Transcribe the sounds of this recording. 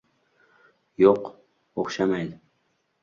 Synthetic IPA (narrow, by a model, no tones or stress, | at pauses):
joq | oχʃamajd̪ɪ